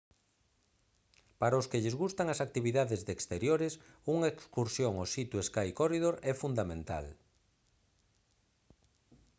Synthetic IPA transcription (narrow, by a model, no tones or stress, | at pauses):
paɾaoskeʎɪzɣust̪aŋɐsak̚t̪iβiðaðezðekst̪eɾjoɾɪs | uŋaekskuɾsjoŋosit̪jueskajkorið̞oɾɛfund̪amẽnt̪a̰l